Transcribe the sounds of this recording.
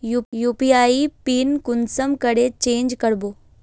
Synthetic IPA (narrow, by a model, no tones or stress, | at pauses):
jujuːpiaːipiːnkʊnsəmkəɽet͡ɕẽːɲd͡ʑkəɽboː